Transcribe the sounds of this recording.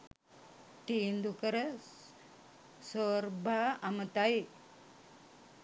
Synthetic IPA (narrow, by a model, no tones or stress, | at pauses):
t̪iːnd̪ukəɾə | soɾbʱaamət̪ai